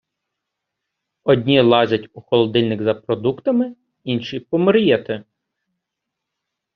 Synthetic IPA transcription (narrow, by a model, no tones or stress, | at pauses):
ɔdʲnʲilˠɑʒʲɐtʲuxɔlˠɔd̪ɪlʲnɪɡzɐpɾɔd̪ukt̪ɐmɪ | inʃipɔmɪɾjɛt̪ɪ